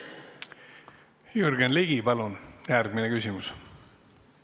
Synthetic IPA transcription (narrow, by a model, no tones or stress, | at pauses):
jurɡ̥enliɡ̥ipɑlunjærɡ̥̚minekysʲimus